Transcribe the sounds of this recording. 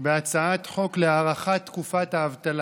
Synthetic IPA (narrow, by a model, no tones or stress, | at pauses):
beat͡saat̪χo̞kleaːʁaχatt̪ːkufat̪haːvt̪al